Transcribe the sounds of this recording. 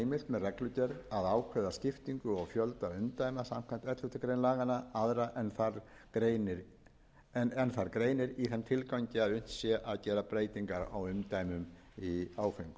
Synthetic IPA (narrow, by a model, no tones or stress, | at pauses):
jmɪɾmɛðrɛklʏt̪ɛɾaðaːwkʰvɛðascɪft̪iŋkʏɔɣfjœlt̪aɾʏmt̪ajmasam̥kʰajn̥t̪ɛt̪lʏht̪ʏkɾejnlaːɣanaaðɾaʔɛnθaɾ | ɾenɪɾ | nɛnθaɾkɾeːjnɪɾiθɛnt̪ʰɪlkawɲcɪaðʏn̥t̪sjɛʔaðcɛːɾapɾeːjt̪iŋkaɾa̰wʏmt̪ajmʏm | iaːwfejŋkʏ̥